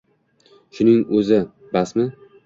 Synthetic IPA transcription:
ʃʊnɪŋɵzɪ | basmɪ

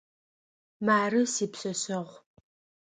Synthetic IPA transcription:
maːrɨsiːpsɐsɐʁʷ

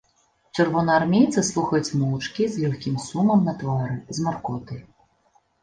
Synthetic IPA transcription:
t͡ʂɨrvɔnɛarmʲejt̪sɐslˠuxɐjut͡sʲmɔwt͡ʂkʲizlʲuxʲkʲimsumɐmnɐt̪vaɾɨzmarkɔt̪ɨ

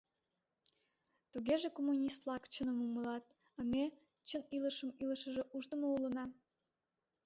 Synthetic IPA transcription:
t̪uɣeʒekomːunʲist̪lɑkt͡ɕənəmuməlɑt̪̚ | ɑme | t͡ɕəniləʃəmiləʃəʒeʔuʒd̪əmoulə̆nɑ

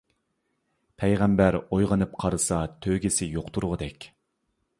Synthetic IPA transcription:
pʰɛjʁɛmbæɾojʁɑnɨp̚qʰɑɾɨsɑt̪ʰøɡʲɪsɪjoqt̪ʰuɾʁəd̪ɛkʲ

